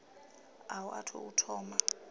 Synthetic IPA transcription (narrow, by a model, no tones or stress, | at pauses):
awʔa̰tʰɔ̰utʰɔːma